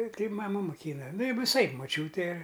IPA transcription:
ˈtɐɪ mɐˈmʊ moːˈkʲiːnɐ nʊ ʋʲɪˈsɐɪp moːˈt͡ʃʲuːtʲɛ

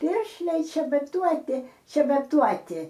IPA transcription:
ˈpʲɪrʲʃʲlʲɛɪ t͡ʃʲɛbɐˈtuɔtʲɪ t͡ʃʲɛbɐˈtuɔtʲɪ

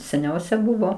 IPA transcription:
sʲɛˈnʲɛʊsʲɛ ˈbʊʋoː

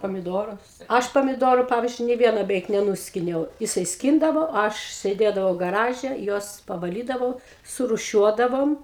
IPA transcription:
pɐmʲɪˈdoːrʊs ˈɐʃ pɐmʲɪˈdoːruː ˈpɑːʋʲiːzʲd͡ʒʲʊɪ nʲeː ˈʋʲiɛnoː bʲɛˈʋʲɛɪk nʲɛˈnʊsʲkʲɪnʲɛʊ jɪˈsɐɪ ˈsʲkʲiːndɐʋoː ˈɐʃ sʲeːˈdʲeːdɐʋɐʊ ɡɐˈrɑːʒʲɛ ˈjuɔs pɐʋɐˈlʲiːdɐʋɐʊ sʊruːˈʃʲuɔdɐʋoːm

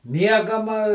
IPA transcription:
ˈmʲiɛɡɐmɐ

